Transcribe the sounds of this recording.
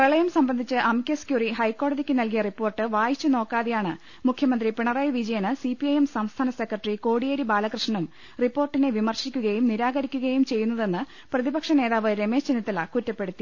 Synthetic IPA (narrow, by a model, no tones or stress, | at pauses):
prɐɭɐjɐmsɐmbɐnd̪ʱit͡ɕːɨʔɐmkʲeskjuriɦɐjkːo̞ːɽɐðikʲːɨnɐlkijɐripːo̞ːrʈːɨʋaːjit͡ɕːɨno̞ːkːaːðejaːɳɨ | mukʰjɐmɐnd̪ripiɳɐrɐjʋid͡ʑɐjɐnɨsipiɐjemsɐmst̪ʰaːnɐsekrɐʈriko̞ːɽijeɾibaːlɐkrɨʂɐɳum | ripːo̞ːrʈːineʋimɐrɕikʲːuɣɐjumniɾaːɣɐɾikʲːuɣɐjumt͡ɕe̞jːunːɐðe̞nːɨ | prɐðibɐkʂɐne̞ːðaːʋɨɾe̞me̞ːʂt͡ɕinːit̪ːɐlɐkutːɐpːe̞ɽut̪ːi